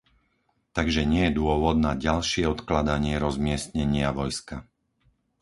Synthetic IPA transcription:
t̪aɡʒɛɲɪɛjɛd̪ʊɔʋɔd̪̚naɟalʃɪɛɔt̪klad̪aɲɪɛɾɔzmɪɛsɲɛɲɪaʋɔjska

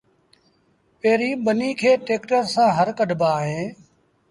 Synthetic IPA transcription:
peːɾiːɓəniːkʰeːʈeːkʈəɾsãːɦəɾkəɖbaːɦẽː

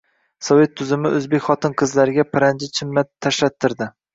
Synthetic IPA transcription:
sɒve̞t̪ʰːʊzɪmɪɵzbekʲχɒt̪ʰɪnqʰɨzlaɾɪɡʲapʰɪɾand͡ʒɪt͡ʃʰɪmːaːaʃlat̪ʰːɪɾd̪ɪ

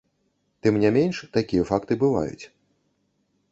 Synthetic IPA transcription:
t̪ɨmnʲɛmʲenʲʂt̪akʲijɐfakt̪ɨbɨva̰jṵt͡sʲ

